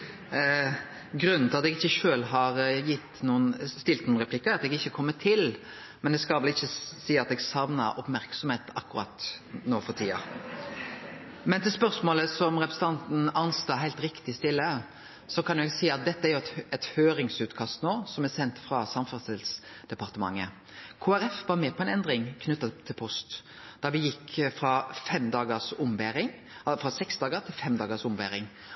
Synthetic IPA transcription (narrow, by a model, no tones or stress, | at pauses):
ɡɾʉnnɑt̪ɛɡɪçːəʃøːlɦɑɾjɪt̪ːnuːənst̪ɪlt̪nuːnɾɛpʰlɪkːəɑt̪ɛɡɪçːəkʰɔmːət̪ʰɪl | mɛnd̪ɛskɑlʋɛlɪçːəsiːɑt̪ɛɡsɑʋnɑ̰ʔɔpmæɾksɔmheːt̪ɑ̰kːʊɾɑ̰t̪noːfɔɾt̪ʰiːɑ̰ | mɛnt̪ɪlspœɾsmoːləsɔmɾɛpɾəsət̪ʰɑnt̪n̩ɑnst̪ɑːɦæɪlt̪ɾɪkt̪ɪst̪ɪlːə | sɔkʰɑnjʊɛɡsiːɑt̪̚d̪ɛt̪ːəæɾjʊt̪ɛt̪høːɾɪŋsʉːt̪kʰɑst̪noːsɔmæɾsɛnt̪fɾɑsɑmfɑst̪ɪlsd̪̥ɛpɑʁt̪əmɑ̰ŋːə | kʰoːæɾɛfʋɑɾmɛːpʰɔɛnɛnd̪ɾɪŋkʰnʉt̪ːɑt̪ʰːɪlpʰɔst̪ | d̪̥ɑʋɪjɪkːfɾɑfɛmd̪ɑːɡəsʊmbæːɾɪŋ | fɾɑsɛksd̪ɑːɡəɾt̪ʰɪlfɛmd̪ɑːɡəsʊmʋæːɾɪŋ